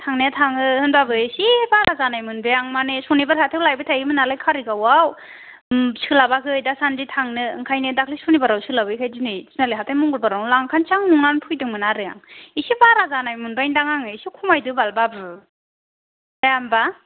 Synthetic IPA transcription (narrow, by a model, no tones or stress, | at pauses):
tʰaŋnetʰaŋɯɯnbabɯsibaɾazanajmɯnbejaŋmanesɔnibaɾhatʰewlajbɯtʰajɡɯmɯnalajkʰaɾiɡawaw | sɯlabakʰɯɯjdasanditʰaŋnɯɯ̰ŋkʰajnedakʰlisɔnibaɾawsɯlabɯjkʰajzinɯjsinaliɦatʰajmɔŋɡɯlbaɾawlaŋkʰant͡ʃʰaŋnuŋanpʰujdɯŋmɯnaɾɯja̰ŋisibaɾazanajmɯnbajndaŋaŋɯisikʰumajdɯbalbabɯ | ajamba